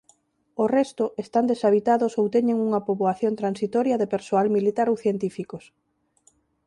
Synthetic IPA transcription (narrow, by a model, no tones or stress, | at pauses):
orɛst̪ʊʔest̪and̪esaβ̞it̪aðʊsowt̪ɛɲẽŋuŋɐpoβoaθjont̪ɾansit̪ɔɾjɐðepeɾsoalmilit̪aɾowθjent̪ifikos